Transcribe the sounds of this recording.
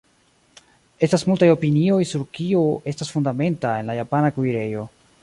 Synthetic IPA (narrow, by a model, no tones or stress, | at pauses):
e̞stasmultajo̞pinio̞jsuɾkioe̞stasfundame̞ntae̞nlajapanakuiɾe̞jo̞